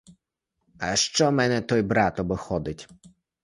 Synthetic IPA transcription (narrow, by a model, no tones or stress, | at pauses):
ɐʃt͡ʃɔmɛnɛt̪ɔjbɾɑt̪ɔbɪxɔd̪ɪtʲ